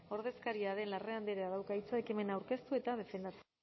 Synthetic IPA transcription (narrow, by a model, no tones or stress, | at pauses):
o̞ɾðe̞skaɾiaðe̞nlareand̪iɾeaðawkait͡saekime̞nawɾke̞st̪ue̞t̪að̞e̞fe̞nd̪at͡s